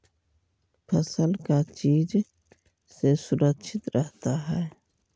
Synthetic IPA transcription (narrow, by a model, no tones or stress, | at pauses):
pʰəsəlkat͡ʃiːd͡ʒ | sesʊɾəkʃʰɪt̪ɾʔəɦt̪aɦɛː